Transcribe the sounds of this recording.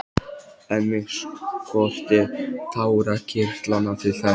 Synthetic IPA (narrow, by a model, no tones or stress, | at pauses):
ɛnmːɪŋskʰɔr̥t̪ɪt̪ʰaːwɾacʰɪr̥t̪lanːat̪ʰɪlθɛ